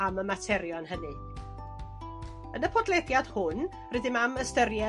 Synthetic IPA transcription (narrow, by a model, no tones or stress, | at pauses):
aməmatʰɛɾjɔnɦənɨ | ənəpʰɔdlˠɛðjad̥hʊn | rɪdɪmaməstərjɛ